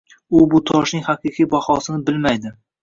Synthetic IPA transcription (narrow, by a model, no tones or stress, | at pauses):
ʊbʊt̪ʰɒʃnɪŋʲhaqʰɨqʰijbahɒsɪnɪbɪlmajd̪ɪ